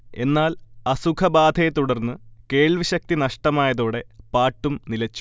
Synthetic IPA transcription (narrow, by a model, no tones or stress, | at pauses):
e̞nːaːlɐsukʰɐbaːd̪ʱejt̪uɽɐrnːɨke̞ːɭʋiɕɐk̚t̪inɐʂʈɐmaːjɐðoːɽe̞paːʈːumnilɐt͡ɕːu̥